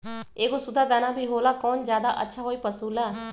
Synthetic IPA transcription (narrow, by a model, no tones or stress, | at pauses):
eːɡosʊd̪aːd̪anaːbʱiːɦoːlaːkɔːnzjaːd̪aʔə̰tːʃʰaɦoːiːpəsuːlaː